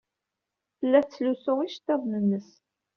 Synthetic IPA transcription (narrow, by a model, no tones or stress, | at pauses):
θəlːæθt͡sːlusoʁiʃt̪ːɑðˤnənːəs